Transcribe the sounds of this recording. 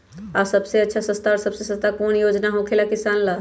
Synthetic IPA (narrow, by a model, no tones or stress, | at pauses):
asəbseətːʃʰasə̃st̪aɔɾsəbsesə̃st̪akonjod͡ʒnaɦõkʰelakisanla